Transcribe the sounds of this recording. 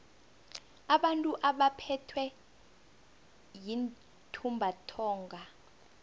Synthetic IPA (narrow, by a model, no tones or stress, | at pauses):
aɓantʼuʔaɓapʰɛtʰwɛ | jin | tʰumbʱatʰɔːŋɡʱa